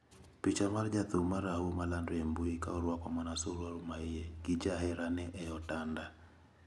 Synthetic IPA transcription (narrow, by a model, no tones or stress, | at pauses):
pit͡ʃamard͡ʒat̪ʊmaɾahumalandembuika̰ɔɾwakɔmanasoɾwaɾumaɪjeɡɪd͡ʒaɦɛɾanɛʔɛɔtanda